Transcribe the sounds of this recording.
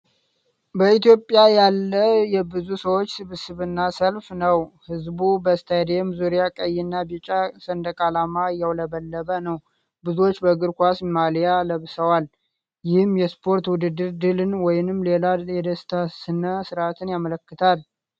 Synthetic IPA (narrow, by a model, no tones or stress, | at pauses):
bəit̪jo̞pʼːjajalːəjɛbɨzusəwo̞t͡ʃːsɨβɨsɨβɨnːasəlfnəwhɨzbubəst̪ʰajd̪emzuɾijakʼəjːɪnːabit͡ʃʼasənd̪əkʼalamajɛwləbəlːəβənəw | bɨzuwot͡ʃːbəɡɨɾkʷasmalijaləβsəwal | jɪhɨmjɛspʰo̞ɾt̪wʊd̪ɨd̪ːɨɾd̪ɨlɨnwɔjɪnɨmle̞lajɛd̪əst̪ʰasɨnəsɨɾʔat̪ʰɨnjamələkːɨt̪ʰal